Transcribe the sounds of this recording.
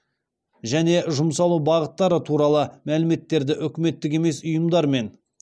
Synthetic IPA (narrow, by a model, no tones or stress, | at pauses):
ʒæne̞ʒʊmsɑlˠubɑʁət̪ːɑɾət̪ʰuɾɑlˠəmælɪme̞t̪ːe̞ɾd̪ɪʔʏkʲɪme̞t̪ːɪk̬ʲe̞me̞sʊjəmd̪ɑɾme̞n